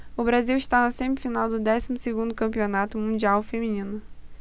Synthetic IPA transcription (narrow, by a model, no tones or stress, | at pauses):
ʊbɾaziwɪʃt̪anɐsẽmɪfinawd̪ʊd̪ɛsimʊsɪɡũnd̪ʊkɐ̃mpionat̪ʊmũd͡ʒiawfemĩnĩnʊ